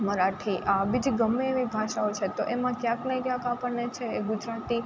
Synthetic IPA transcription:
məɾaʈʰiʔabid͡ʒiɡəmːeːʋibʱaʃaot͡ʃʰet̪oʔemãkjãknəĩkjãkapəɳnet͡ʃʰeːɡʊd͡ʒɾat̪i

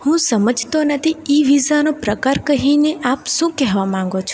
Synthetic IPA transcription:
hũsəməd͡ʒt̪onət̪ʰiiʋizanopɾəkaɾkəɦineʔapʃũkɛɦʋamãŋ̆ɡot͡ʃʰũ

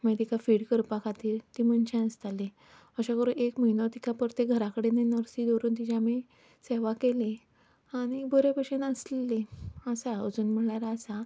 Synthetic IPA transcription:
med̪ikafiːɽkəɾpakat̪iːɾt̪iməɳt͡ɕɛ̃əst̪alːe | əɕakəɾũʔekməinot̪ikapəɾt̪eɡʱəɾakəɽenenəɾsid̪oɾuːnt̪id͡ʑame | seʋakele | aɽ̃iboɾepəɕenəsleleəsaəd͡zuːnm̤əɭaɾaəsa

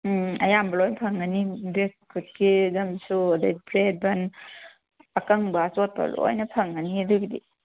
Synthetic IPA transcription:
ɐjambalɔjnpʰaŋːanibekkʰːut̚kezambisuadajpʰɾed̚ban | akaŋbasot̚pa̰lɔ̰jnɐpʰaŋːaniduɡidḭ

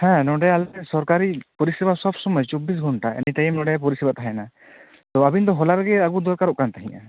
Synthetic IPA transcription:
hɛ̃nɔɖɛalɛsɔɾkaɾipɔɾisɛbasɔbsɔmɔd͡ʒt͡ʃɔbis̬ɡʱɔɳʈaɛ̰nit̪ajɛmnɔ̃ɖɛp̬ɔɾisɛbat̪ʰaɦɛjna | t̪ɔabind̪ɔɦɔlaɾɡɛaɡud̪ɔɾkaɾɔʔkant̪aɦĩɲa̰

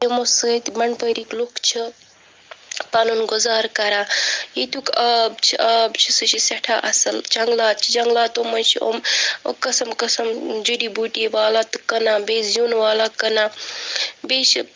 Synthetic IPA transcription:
imosəːt̪mɐɳpəɾiklukʰt͡ʃʰi | panunɡuzaːɾkɐɾaːit̪ukɐbt͡ʃʰiɐbt͡ʃʰisɨt͡ʃʰisɐʈʰa̰ʔɐsɐlt͡ʃʰɐŋɡlaːt̪̚t͡ʃʰid͡ʒɐŋɡlaːt̪omɐnt͡ʃʰio̰mkɐsɐmkɐsɐmd͡ʒiɖibuʈiʋaːlaːt̪ɨkɐnaːbeːsjunʋaːlakɐnaː | beːʃi

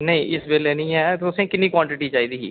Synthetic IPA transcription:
nəĩːʔɪsʋeːleːnĩːɛːt̪ʊsẽːkɪnːiːkwãːɳʈɪʈiːt͡ʃaːiːd̪iːɦḭː

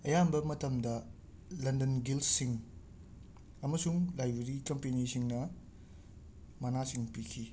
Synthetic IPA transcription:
ɐjambɐmɐtɐmdɐ | lɐndɐnɡilsiŋ | ɐmɐsuŋlajbɾeɾikɐmpenisiŋnɐ | mɐnasiŋpikʰi

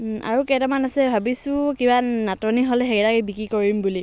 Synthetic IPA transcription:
ʔa̰ɹukɛtamanasɛbʱabisʊ̃kibanatɔniɦɔlɛɦɛkɛtakbikɹikoɹimbuli

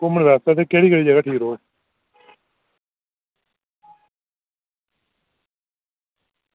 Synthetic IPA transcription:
kʊməɳʋɛːst̪aːt̪eːkeːɽiːkeːɽiːd͡ʒəɡaːʈʰiːkɦoː

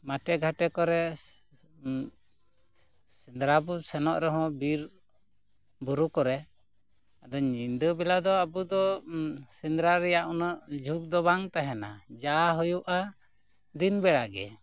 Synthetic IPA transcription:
maʈɛɡʱaʈɛkɔɾɛ | sind̪ɾabɔsɛnɔʔɾɛɦɔ̃biɾ | buɾukɔɾɛ | ad̪ɔɲind̪əbɛlad̪ɔabud̪ɔsind̪ɾaɾɛjaʔunɔʔd͡ʒʱuk̚d̪ɔβaŋt̪aɦɛnad͡ʒaɦɔjuʔa | d̪inbɛɽaɡɛ̰

